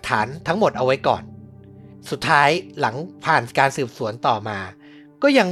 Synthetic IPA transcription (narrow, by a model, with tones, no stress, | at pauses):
t̪ʰːa̰ː˩˦nt̪ʰa˦˥ŋmo˨˩t̪̚ʔa˧wa˦˥jkɔ̰ː˨˩n | su˨˩t̪ʰːaː˦˥jla˩˦ŋpʰaː˨˩nkaː˧nsɯː˨˩p̚su˩˦ənt̪ɔː˨˩maː˧ | kɔː˥˩ja˧ŋ